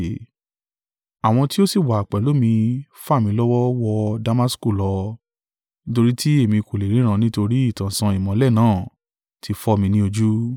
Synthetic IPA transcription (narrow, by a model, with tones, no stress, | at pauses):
a˨w̃ɔ̃˧ti˦o˦si˦˨wa˨k͡pɛ˨lo˨˦mĩ˧fa˦˨mĩ˧lɔ˦wɔ˦wɔ˧da˧ma˦sku˦˨lɔ˧ | nĩ˦to˧ɾi˦tʰi˦e˦˨mĩ˧ko˨le˨ɾ̃ĩ˨˦ɾ̃ã˧nĩ˦to˧ɾi˦i˦˨tã˨sã˧i˨mɔ̃˨˦lɛ˦˨nãː˨˦˨ | tʰi˧fɔ˧mĩ˧nĩ˦o˧d͡ʒu˦